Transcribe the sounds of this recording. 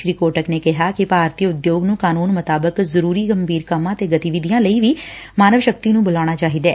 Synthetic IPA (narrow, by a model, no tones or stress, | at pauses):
ɾiːkoːʈəkneːkɪɦaːkɪpaːɾt̪iːʊd̪joːɡnũːkaːnuːnmət̪aːbəkzəɾuːɾiːɡəmbʱiːɾkəmãːt̪eːɡət̪iʋɪd̪ijãːləiːʋiː | maːnəʋʃək̚t̪iːnũːbʊlaːɽ̃aːt͡ʃaːɦiːd̪ɛː